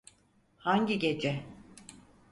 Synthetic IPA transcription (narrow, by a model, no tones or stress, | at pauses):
haɲɟiɟe̞d͡ʒɛ